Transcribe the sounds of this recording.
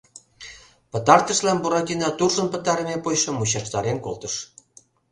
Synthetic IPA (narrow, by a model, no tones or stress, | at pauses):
pə̆t̪ɑrt̪ə̆ʃlɑmbuɾɑt̪ʲinɑt̪urʒə̆npə̆t̪ɑɾəmepojʃɤ̆mut͡ɕɑʃt̪ɑɾenkolt̪əʃ